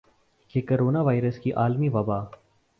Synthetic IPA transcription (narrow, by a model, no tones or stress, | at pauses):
keːkoɾoːnaːʋaːɪɾəskiʔaːlmiːʋɐbaː